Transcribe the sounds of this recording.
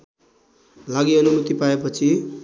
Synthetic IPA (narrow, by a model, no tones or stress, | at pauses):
laɡiʌnunut̪ipaepʌt͡sʰi